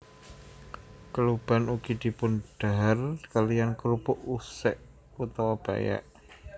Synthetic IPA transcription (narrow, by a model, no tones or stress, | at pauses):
kəlub̥a̤nuɡ̥id̪̥i̤pʊnɖ̥aɦarkalijankɾupʊʔusɛʔ | put̪ɔwab̥a̰ja̰ʔ